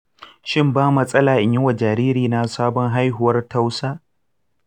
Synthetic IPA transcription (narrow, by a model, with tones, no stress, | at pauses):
ʃɪ˦mbaː˦mɐ˦sʼɐ˦laː˨ʔɪ˨ɲɪ˦wa˨d͡ʒaː˨ɾiː˦ɾiː˨na˦saː˦bɔ˦ŋɦa˦jɦʊ˨wɐ˦rta˦wsaː˦